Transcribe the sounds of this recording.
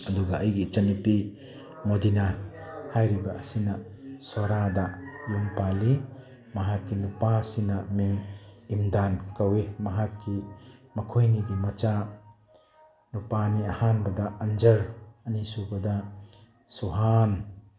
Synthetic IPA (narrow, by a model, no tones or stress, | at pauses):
ɐduɡɐɐjɡit͡ʃɐnipi | modinahajɾibɐːsinɐsoɾadɐjumpali | mɐɦakːinupasinɐmiŋimdankɐwimɐɦakːimɐkʰojniɡimɐt͡ʃa | nupaniɐhanbɐdɐɐnd͡ʒɐɾɐnisubɐdɐ | suɦan